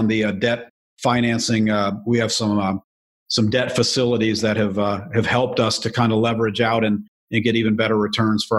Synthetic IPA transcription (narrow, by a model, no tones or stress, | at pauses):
nðɨdɛt̚ | fãɪ̃ɾ̃æ̃nsɪ̃ŋwiɨv̥sʌ̃m | sʌ̃mdɛtfɨsɪlˠəɾizðɨt̚hɨvʌɨv̥hɛlˠp̚tʌstʰɨkʰãɪ̃ndəlɛvə˞ɨd͡ʒaʊɾɨ̃n | ɨ̃nɡɛɾivɨ̃n̩bɛɾə˞ɹɨtʰɜ̃˞nz̥fə˞